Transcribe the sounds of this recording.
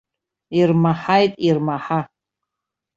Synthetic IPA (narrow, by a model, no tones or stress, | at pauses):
irmaħajtʼirmaħa